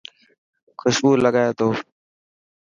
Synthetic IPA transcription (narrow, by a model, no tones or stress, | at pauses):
kʰʊʃbuːlːəɡaːjaːt̪oː